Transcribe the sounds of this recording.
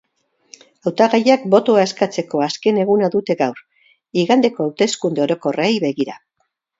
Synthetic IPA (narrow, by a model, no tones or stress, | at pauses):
awt̪aɣajakbo̞t̪oae̞skat͡se̞ko̞aske̞ne̞ɣ̞unaðut̪e̞ɣawɾ | iɣand̪e̞ko̞awt̪e̞skund̪e̞o̞ɾo̞ko̞reejβe̞ɣiɾa